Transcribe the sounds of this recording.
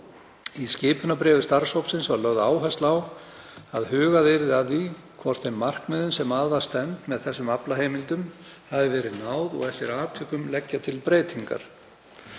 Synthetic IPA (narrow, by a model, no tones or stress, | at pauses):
iscɪːpʏnapɾɛːvʏst̪aɾ̥showpsɪnsvaɾlœɣðʏaːwɦast̪law | aðhʏːɣaðɪɾðɪaði | kʰvɔr̥t̪θejmːar̥kmɛːðʏnsɛmaːðvast̪ɛnt̪mɛðθɛsːʏmaplaɦeːjmɪlt̪ʏm | havɪvɛːɾɪðnaːwðɔ̰ɣɛft̪ɪɾaːt̪ʰʏkʏmlɛcːat̪ʰɪlpɾeːjt̪ʰiŋka̰ɾ̥